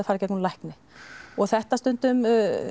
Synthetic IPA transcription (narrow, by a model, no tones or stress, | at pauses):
ɪfaɾɛcɛt̪nunlajhknɪ | ɔɣθɛht̪ast̪ʏnt̪ʏm